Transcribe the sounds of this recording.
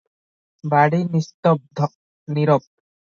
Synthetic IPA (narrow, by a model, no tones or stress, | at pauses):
baɽinist̪ɔb̚d̪ʱɔ | niɾɔp̚